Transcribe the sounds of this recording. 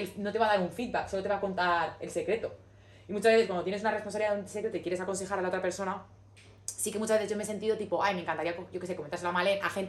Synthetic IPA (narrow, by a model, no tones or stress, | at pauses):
elno̞t̪e̞βaðaɾuɱfid̪̚bakso̞lo̞t̪e̞βako̞nt̪aɾe̞̰lse̞kɾe̞t̪o̞ | imut͡ʃazβeθewandot̪jenesunaresponsaβiaðunse̞kɾe̞t̪oikjeɾesako̞nse̞xaɾalao̞t̪ɾape̞ɾso̞na | sike̞mut͡ʃazβe̞θezʝome̞se̞nt̪iðo̞t̪ipo̞ʔajmeŋkant̪aɾiakoɟo̞kesekoment̪ase̞lamalena̰xe̞nt̪